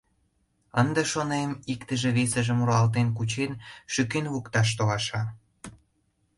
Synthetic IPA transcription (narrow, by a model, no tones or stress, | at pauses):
ənd̪ĕʃonemikt̪əʒĕβesə̆ʒə̆muɾɑlt̪enkut͡ɕenʃykenβukt̪ɑʃ̬t̪olɑʃɑ